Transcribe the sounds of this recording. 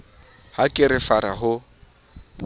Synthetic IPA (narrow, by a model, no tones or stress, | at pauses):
hakʼɪɾɪfaɾaɦʊ